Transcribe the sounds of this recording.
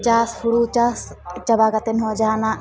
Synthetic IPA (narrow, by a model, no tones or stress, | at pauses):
t͡ʃaːshuɽut͡ʃast͡ʃɐbaːɡɐt̪enɦod͡ʒaːna